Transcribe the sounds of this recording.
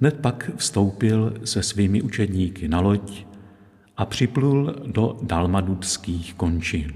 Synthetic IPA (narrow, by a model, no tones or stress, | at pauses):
ɦnɛt̪̚pakfst̪o̞wpɪlsɛsviːmɪʔut͡ʃɛdɲiːkɪnalo̞c | ʔapr̝̥ɪpluldo̞dalmadupskiːxko̞nt͡ʃɪn